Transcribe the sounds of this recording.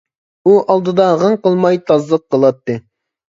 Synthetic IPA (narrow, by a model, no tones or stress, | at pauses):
uʔɑlˠd̪ɨd̪ɑʁəɴqəlˠmɑjt̪ʰɑzlˠəq̚ːəlˠɑt̪ːɨ